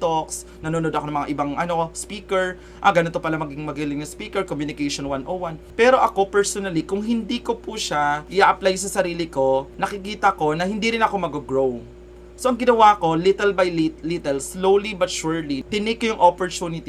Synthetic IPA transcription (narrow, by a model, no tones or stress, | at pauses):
t̪oks | nɐnonod̪ɐkoɐŋmɐŋa̰ʔɪbaŋʔɐno̞spiːkɛɹ | ʔɐɡɐnot̪opɐlamɐɡɪŋmɐɡiːlɪŋjʊŋspiːkɛɹkomjunɪkejʃonwanʔowanpɛːɾo̞ʔɐko̞pɛɹsonɐlikʊŋɦɪnd̪iko̞puʃaʔɪʔaʔɐplajs̬ɐsɐɾiːlɪko̞nɐkɪkiːt̪ɐko̞nɐhɪnd̪iɾɪnɐko̞mɐɡoɡɹow | so̞ʔɐŋɡɪnɐwako̞lɪt̪ɛlbɐjlilit̪ɛlslowlibɐt̪ʃuɹlit̪ɪnɪkːojʊŋʔopoɹt̪uːnɪt̪i